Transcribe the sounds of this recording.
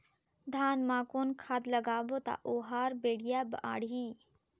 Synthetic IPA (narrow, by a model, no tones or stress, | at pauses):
d̪ʱaːnmaːkonkʰad̪ləɡaːbot̪a̰ʔoːɦaːɾbeːɽijabʔa̰ːɽɦi